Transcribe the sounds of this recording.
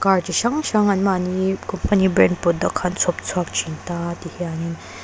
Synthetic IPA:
kaɹt͡ʃiʃɐŋʃɐŋɐnmanikɔmpɐnibɾɛnpɔt̚d̪ɔkʰant͡sʰɔp̚t͡sʰuaɐk̚t͡ʃʰintat̪ihianin

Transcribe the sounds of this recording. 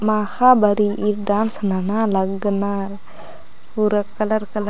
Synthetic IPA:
maxabaɾiʔiɾɖansnanalaɡnaɾ | uɾakːalaɾkal

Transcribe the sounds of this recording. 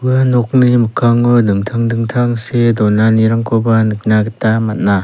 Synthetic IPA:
ɯanɔk̚nimɯkʰaŋɯdɯŋtʰaŋdɯŋtʰaŋsedɔnaniɾaŋkʰɔbanɯk̚naɡitamat̚na

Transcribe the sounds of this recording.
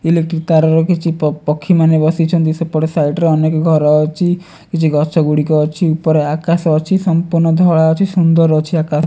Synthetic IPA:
ilek̚ʈɾik̚t̪aɾɔɾɔkit͡ʃʰippɔkʰːimanebɔsit͡ʃʰɔnd̪isɔpɔɾesajʈɾeɔnekɔɡʱɔɾɔt͡ʃʰi | kit͡ʃʰiɡʱɔt͡ʃʰɔɡuɽikɔt͡ʃʰiupɔɾeakasɔt͡ʃʰisɔmpuɾnɔd̪ʱɔɭaɔt͡ʃʰisund̪ɔɾɔt͡ʃʰiakas

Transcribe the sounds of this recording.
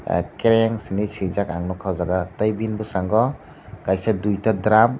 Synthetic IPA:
keɾeŋsinisizakaŋnɔkʰawzaɡatajbinbusaŋɡɔ | kajsadujtadɾam

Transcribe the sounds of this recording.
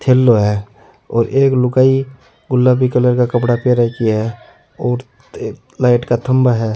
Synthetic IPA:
t̪ʰeːlːoɦɛː | ɔːɾeːklʊkaːi | ɡʊlːabʱikələɾkakəpɽapeɾakiɛ | ɔːɾ | laːɪʈkat̪ʰəmbaɦɛː

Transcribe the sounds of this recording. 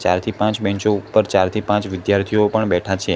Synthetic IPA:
t͡ʃa̰ɾt̪ʰipãt͡ʃbɛ̃ɲt͡ʃoupːəɾt͡ʃaɾt̪ʰipãt͡ʃʋɪd̪jaɾt̪ʰiopəɳbɛʈʰat͡ʃʰe

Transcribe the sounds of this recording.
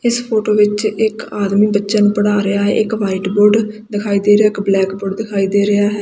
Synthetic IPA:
ɪspʰoːʈoːʋɪt͡ʃɪkaːd̪miːbətːʃənũːpəɽaːɾɪjaːɦɛ̰ːʔɪkʋaːiːʈboːɾɖd̪ɪkʰaːiːd̪eːɾejaːɪkblɛːkboːɖd̪ɪkʰaːiːd̪eːɾɪjaːɦɛː

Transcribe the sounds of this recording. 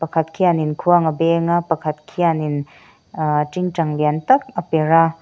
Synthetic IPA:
pɐkʰɐt̚kʰianinkʰuaŋɐbeŋapɐkʰɐt̪̚kʰianin | tiŋt͡ʃɐŋljantɐk̚ɐpeɾa

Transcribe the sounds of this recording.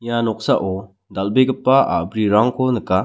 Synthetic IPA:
janɔk̚saʔɔ | d̪albeɡəpːaa̰bɾiɾaŋkʰonɯka

